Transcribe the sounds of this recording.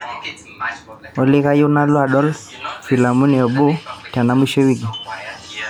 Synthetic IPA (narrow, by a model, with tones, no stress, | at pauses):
ɔ˨li˦ɣa˦ju˦na˦lɔ˦a˨ɗɔ˦lfi˨la˨mu˦ni˨ɔ˨ɓo˦ta˨na˦mwi˦ʃɔ˦wiɡi˨